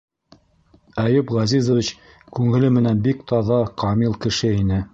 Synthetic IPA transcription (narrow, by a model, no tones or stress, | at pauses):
æjɵpʁɑzizŏvʲit͡ɕ | kʉŋɘ̆lɘmɘ̆nænbikt̪ɑðɑqɑmilˠkɘ̆ʃɘinɘ